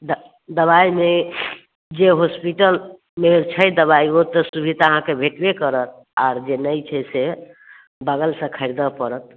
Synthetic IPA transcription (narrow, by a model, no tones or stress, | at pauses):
d̪ | d̪əβaime | d͡ʒeɦospiʈəl | meɾt͡ʃʰəjd̪əβaiot̪əsubʱit̪aəɦãkebʱeʈbekəɾət̪ | a̰ɾd͡ʒenəjt͡ʃʰəse | bəɡəlsə̃kʰəɪɾd̪əpəɾət̪̚